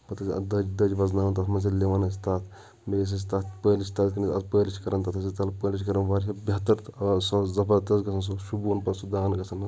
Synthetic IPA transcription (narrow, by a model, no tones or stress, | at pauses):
pɐt̪ɐɐ̰d̪ɐd͡ʒd̪ɐd͡ʒʋɐznaːnnt̪̬ɐt̪ʰmɐns̬ɐleʋaːnɐst̪aːt̪ʰ | meːs̬ɐs̬t̪aːt̪pəːlisʲt̪aːt̪kiniɐt̪pəːlit͡ʃʰi̥kɐɾɐnt̪ɐt̪ʰɐsit̪ɐlpəːlit͡ʃʰkɐɾɐnʋaːɾsɐbʲɐt̪ɐɾt̪sɐzɐpɐɾt̪ɐsɡɐsɐns̬oʃubunpɐsud̪aːnɡɐsɐnɐ